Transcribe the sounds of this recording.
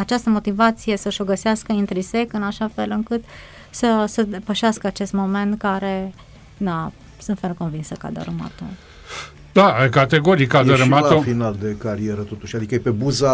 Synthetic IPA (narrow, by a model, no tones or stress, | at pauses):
at͡ʃast̪əmo̞t̪ivat̪sije̞səʃo̞ɡəseaskəint̪ɾise̞kɨnaʃafe̞lɨŋkɨt̪ | səsəd̪e̞pəʃeaskəat͡ʃe̞st̪mo̞me̞nt̪kaɾe̞ | na | sɨnt̪felko̞nvinsəka̰d̪ə̰ɾəma̰t̪o̰ | d̪akat̪eɡo̞ɾikad̪əɾəmalofinald̪e̞kaɾieɾət̪o̞t̪uʃad̪ikəepe̞buza